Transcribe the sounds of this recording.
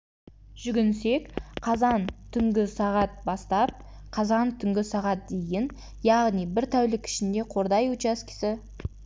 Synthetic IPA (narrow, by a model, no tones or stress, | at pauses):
ʒ̥ʏɡʲɪnse̞kqʰɑzɑnt̪ʰʏŋɡʲɪsɑʁɑt̪̚bɑst̪ɑp̚ | qʰɑzɑnt̪ʰʏŋɡʲɪsɑʁɑt̪̚d̪ejɪn | jɑʁnijbɪɾt̪ʰæwlɪkʲʰɪ̥ʃɪnd̪e̞qʰo̞ɾd̪ɑjut͡ʃɑskʲʰɪ̥sɪ